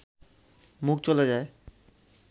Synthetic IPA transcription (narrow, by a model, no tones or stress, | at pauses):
muk̚t͡ɕoled͡ʑae